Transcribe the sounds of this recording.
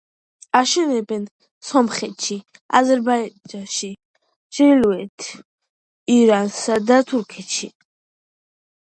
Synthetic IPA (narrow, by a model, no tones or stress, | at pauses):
aʃɛnɛbɛn | sɔmχɛt̪ʃi | a̰zɛɾbad͡ʒanʃi | ʃɾiluɛt̪ʰ | iɾansad̪at̪ʰuɾkʰɛt̪ʃi